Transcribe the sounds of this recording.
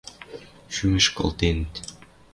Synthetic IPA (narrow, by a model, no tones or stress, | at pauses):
ʃymɘʃko̰lˠt̪ent̪